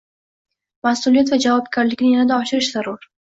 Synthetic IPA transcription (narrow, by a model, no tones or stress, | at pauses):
masulijat̪vad͡ʒavɒb̚ɡʲaɾlɪkʲnɪjanad̪aɒʃɪɾɪʃz̥aɾʊɾ